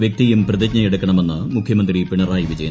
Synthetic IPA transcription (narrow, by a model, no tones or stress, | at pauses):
ʋjɐk̚t̪ijumprɐðiɡɲɐjiɽukːɐɳɐme̞nːɨmukʰjɐmɐnd̪ripiɳɐraːjiʋid͡ʑɐjɐ